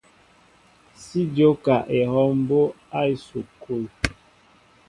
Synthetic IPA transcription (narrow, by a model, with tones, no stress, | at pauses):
si˦do˦ka˨ʔe˨hɔ˦m˦bo˦ | a˦i˨so˨ko˦i˨